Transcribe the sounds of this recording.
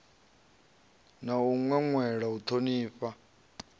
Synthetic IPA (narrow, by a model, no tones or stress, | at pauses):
nauŋwɛŋwɛɺaut̪ʰoniːɸa